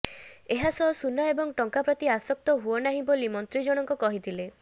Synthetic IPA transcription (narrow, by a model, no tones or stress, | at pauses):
eɦasɔɦsunaebɔŋʈɔŋkapɾɔt̪iasɔk̚t̪ɔɦuɔnaɦĩbolimɔnt̪ɾid͡ʒɔɽ̃ɔŋkukɔɦit̪ʰile